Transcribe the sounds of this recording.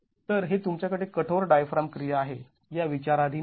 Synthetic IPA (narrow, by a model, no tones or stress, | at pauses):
t̪əɾɦet̪umt͡ɕjakəɽekəʈʰoɾɖajfɾamkɾijaːɦe | jaʋit͡ɕaɾad̪ʱiː